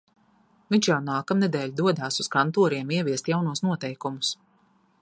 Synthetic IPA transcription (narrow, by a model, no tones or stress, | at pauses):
vʲiɲʲt͡ʃjawnaːkamnɛd̪ɛːlʲd̪uɔd̪aːsuskant̪uɔɾiɛmiɛviɛst̪jawnuɔsnuɔt̪ɛjkumus